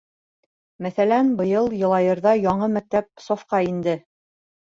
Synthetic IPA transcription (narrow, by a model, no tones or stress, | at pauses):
mæθælænbɤ̆jɤlˠjɤ̆lˠɑjɤ̆ɾðɑjɑɴɤmæk̚t̪æp̚sofqɑind̪ɘ